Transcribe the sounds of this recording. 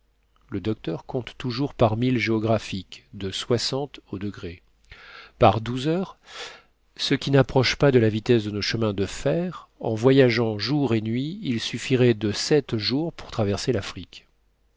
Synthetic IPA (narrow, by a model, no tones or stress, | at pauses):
ləd̪ɔk̚t̪œʁkɔ̃t̪ːuʒuʁpaʁmilʒeɔɡʁafikd̪əswasɑ̃t̪od̪əɡʁe | paʁd̪uzœʁ | səkʲinapχɔʃpad̪əlavit̪ɛsd̪ənoʃəmɛ̃d̪əfɛʁɑ̰̃vwajaʒɑ̃ʒuʁenɥiːlsyfiʁɛd̪əsɛt̪ʒuʁpu̥ʁt̪χavɛʁselafχikʲ